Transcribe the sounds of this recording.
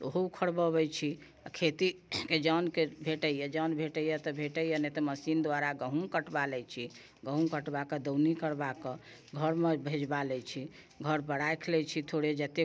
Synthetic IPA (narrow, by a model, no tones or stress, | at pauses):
oɦoukʰəɽbəβɛt͡ʃʰi | akʰet̪iked͡ʒɔnkebʱeʈəjɛd͡ʒɔnbʱeʈəjɛt̪ɔbʱeʈəjənet̪ɔməsind̪waɾaɡəɦũkəʈbalɛt͡ʃʰi | ɡəɦũkəʈbaked̪əwnikəɾbakə | ɡʱəɾmebʱed͡ʒbalɛt͡ʃʰi | ɡʱəɾbəɽajkʰlɛt͡ʃʰit̪ʰoɽed͡ʒɛt̪e